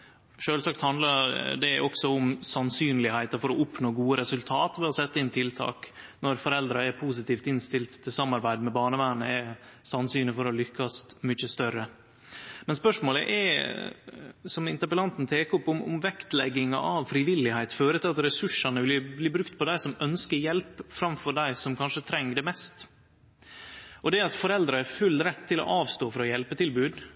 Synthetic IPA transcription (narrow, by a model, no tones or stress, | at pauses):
ʂøːlsɑkt̪hɑnd̪lɑd̪ɛʔɔksɔʊmsɑnsyːnlɪhæɪt̪ɑfɔɾɔʊpnoːɡuːəɾɛsʉlt̪ʰɑːt̪ʋɛɔsɛt̪ːəɪnt̪ʰɪlt̪ʰɑ̰ːknɔɾfɔɾɛld̪ɾɑɛɾpʰus̬ɪt̪iːft̪ɪnst̪ɪlt̪t̪ʰːɪlsɑmːɑɾbæɪd̪mɛbɑːɳəʋæːɳəɛsɑnsyːnəfɔɾɔlʏkːɑst̪mʏt͡ʃːəst̪œɾə | mɛnspœʂmoːlə̰ʔɛ̰ | sɔmɪnt̪əɾpəlɑnt̪n̩t̪ʰeːkɔpːʊmʊ̰mʋɛkt̪lɛ̰ɡːɪŋɑ̰ʔɑʋfɾiːʋɪlɪhæɪt̪føːɾət̪ɪlɑt̪ɾɛsʉʂːɑnəʋɪlbliːbɾʉkt̪pʰɔd̪æɪsɔmœnskəɾjɛlpfɾɑmfɔɾɖæɪsɔmkʰɑnʂət̪ʰɾɛŋːɖɛmɛst̪ | ʔɔd̪ɛɾɑt̪fɔɾɛld̪ɾəɛɾfʉlːɾɛt̪ʰːɪlɔ̰ʔɑːʋst̪oːfɔɾɔjɛlpət̪ʰɪlbʉːd̪